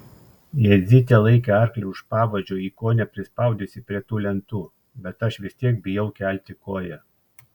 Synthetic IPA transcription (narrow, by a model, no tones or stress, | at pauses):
jɛzʲɪt̪ʲɛlˠɐɪkʲɛɐɾklʲɛʊʃpɑːʋɐd͡ʒʲoːiːkoːnʲɛpʲɾʲɪspɑˑʊd̪ʲesʲɪpʲɾʲiɛt̪uːlʲɛnt̪uː | bʲɛt̪ɐʃʋʲɪsʲt̪ʲiɛk̚bʲɪjɛʊkʲæˑlʲt̪ʲɪkoːjɛ